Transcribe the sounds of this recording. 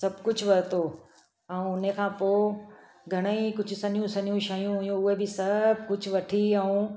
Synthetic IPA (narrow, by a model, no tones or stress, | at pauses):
sɐbkʊd͡ʑʱʋɐɾt̪oː | ɛũʊnekʰãːpoː | ɡʱɐɽ̃əikʊd͡ʑʱʊsɐnijũsɐnijũʃaːjũɦʊijũʊɦebɪsɐbʱkʊd͡ʑʱʊʋɐʈʰiɛ̃ũː